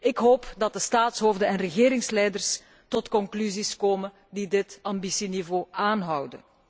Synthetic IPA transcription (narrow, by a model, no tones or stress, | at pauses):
ɪkɦoːpdɑt̚dəstaːtsɦoːvdənɛnrəɣeːɾɪŋslɛjdərs | tɔtkɔŋklyziskoːmən | didɪtɑmbisinivoːaːnɦʌwdə̰n